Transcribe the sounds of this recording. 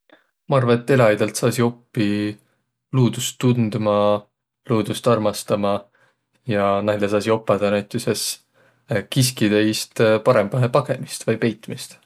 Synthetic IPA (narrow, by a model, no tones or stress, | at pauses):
mɑɑrvɑet̪ːˑe̞lɑjd̪̥ɑlt̪sɑːsio̞pːi | luːd̪̥ust̪ːund̪mɑ | luːd̪̥ust̪ɑrmɑst̪ɑmɑ | jɑnæjlesɑːsio̞pˑːɑd̪̥ɑnæjt̪ːˑuses | kis̬kid̪̥ejst̪pɑɾe̞mb̥ɑɦepɑɡ̥e̞mist̪vɑjpe̞jt̪ːˑmist̪